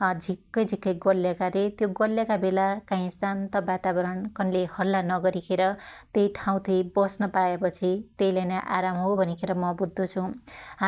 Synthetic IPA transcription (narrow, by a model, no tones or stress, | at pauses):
d͡zʱikːʌjd͡zʱikːʌjɡʌlːjakaɾet̪joɡʌlːjakabelakãĩsant̪ʌbat̪abʌɾʌnkʌnlehʌlːanʌɡʌɾikʰeɾʌt̪ejʈʰaw̃t̪ʰibʌsnʌpaepʌt͡sʰit̪ejlanaʔaɾamɦobʱʌnikʰeɾʌmʌbud̪ːot͡sʰũɦa